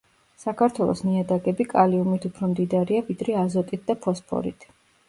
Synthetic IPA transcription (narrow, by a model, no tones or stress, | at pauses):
sakʰaɾt̪ʰwɛlˠɔ̰sniad̪aɡɛbikʼaliumit̪ʰupʰɾɔmd̪id̪aɾiavid̪ɾɛazɔt̪ʼit̪̚ʰd̪apʰɔspʰɔ̰ɾḭt̪ʰ